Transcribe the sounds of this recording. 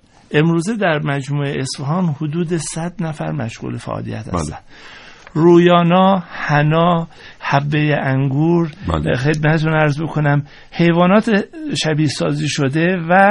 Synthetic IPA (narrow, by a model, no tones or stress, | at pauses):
ʔe̞mɾuːze̞d̪æɾmæd͡ʒmuːeesfæɦɒːmhod̪uːd̪esæd̪næfæ̰ɾmæ̰ʃɣṵːlefæ̰ʔɒ̰ːlḭjæ̰t̪hæ̰st̪æ̰n | ɾuːjɒːnɒːhænɒː | hæbːejeʔæŋɡuːɾ̰lxe̞d̪̚mæt̪ʰet̪ʰunæɾzbokʰonæm | he̞jvɒːnɒːt̪ʰeʃæbiːsɒːziːʃod̪evæ